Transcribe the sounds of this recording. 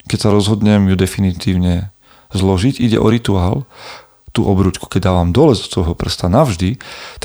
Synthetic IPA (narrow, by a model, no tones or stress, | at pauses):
kɛcsaɾɔzɦɔd̪ɲɛmjud̪ɛfinit̪iːʊɲɛ | zlɔʒiɟiɟɛ̰ʔɔ̰ɾit̪uaːl | t̪uːʔɔbɾuːt͡ʃku̥kɛɟd̪aːʋamd̪ɔlɛzɔ̥t͡sʋɔjɦɔpr̩st̪anaʊʒd̪it̪a